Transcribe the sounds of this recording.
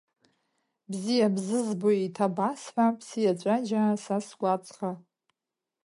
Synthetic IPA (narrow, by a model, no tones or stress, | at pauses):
bzijabzɨzboitʰabasħʷapʰsijat͡ʃʷʼad͡ʒasasɡʷʼat͡sʼχa